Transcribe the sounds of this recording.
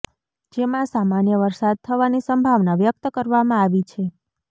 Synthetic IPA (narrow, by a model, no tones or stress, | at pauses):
d͡ʒemãsamanjəʋəɾsad̪̚t̪ʰəʋanisəmbʱaʋnaʋjək̚t̪əkəɾʋamãaʋit͡ʃʰe